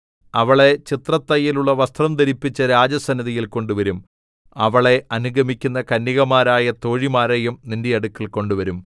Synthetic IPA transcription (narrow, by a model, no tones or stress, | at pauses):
ɐʋɐɭe̞t͡ɕit̪rɐt̪ːɐjːiluɭːɐʋɐst̪rɐmt̪ɐɾipːit͡ɕːɐɾaːd͡ʑɐsɐnːɐðijilko̞ɳɖuʋɐɾum | ɐʋɐɭe̞ɐnuɡʱɐmikʲːunːɐkɐnːiɣɐmaːɾaːjɐt̪o̞ːɻimaːɾejumnindejɐɽukːɐlko̞ɳɖuʋɐɾum